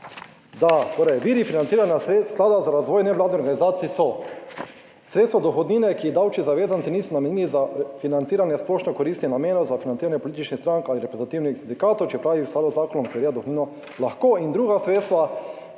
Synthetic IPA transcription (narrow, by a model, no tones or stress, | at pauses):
d̪at̪oːɾɛjʋiːɾifinant̪siːɾanjasklaːd̪azaɾazʋɔːjnɛʋlaːd̪niɔɾɡanizaːt̪sisɔ | sɾet̪st̪ʋad̪ɔxɔd̪niːnɛkiɛd̪awt͡ʃizaʋeːzant̪siniːsɔnamɛnjiːlizafinant̪siːɾanjɛsplɔːʃnɔkɔɾiːst̪inamjeːnɔzafinaniːɾanjɛpɔlit̪it͡ʃnixst̪ɾaŋkaːliɾɛpɾɛzat̪iːwnixsind̪ikaːt̪ɔwt͡ʃɛpɾaːʋisklaːd̪ɔzaːkɔnɔmkɔɾiad̪ɔxod̪niːnɔ | laxkoːind̪ɾuːɡasɾeːt̪st̪ʋa